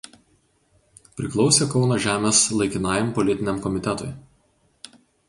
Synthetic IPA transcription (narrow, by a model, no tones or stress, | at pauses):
pʲɾʲɪklˠɒʊsʲeːkɒʊnɐʒʲæːmʲeːslˠɐɪkʲɪnɑːjɛmpɔlʲɪt̪ʲɪnʲɛmkɔmʲɪt̪ʲɛt̪ʊɪ